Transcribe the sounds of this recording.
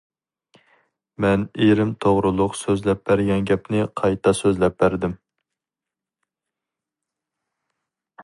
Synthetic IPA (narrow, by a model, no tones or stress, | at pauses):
mɛneɾɪmt̪ʰoʁɾʊlˠʊqsøzlɛp̚bæɾɡʲɛnɡʲɛpnɪqʰɑjt̪ʰɑsøzlɛp̚bæɾd̪ɪm